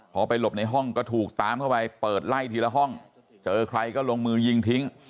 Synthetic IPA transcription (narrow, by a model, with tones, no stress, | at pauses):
pʰɔː˧pa˧jlo˨˩p̚na˧jɦɔ˥˩ŋkɔː˥˩t̪ʰuː˨˩k̚t̪aː˨˦mkʰa˥˩wpa˧jpɤː˨˩t̪̚la˥˩jt̪ʰiː˧la˧ɦɔ˥˩ŋ | t͡ɕɤː˧kʰɾa˧jkɔː˥˩lo˧ŋmɯː˧ji˧ŋt̪ʰi˦˥ŋ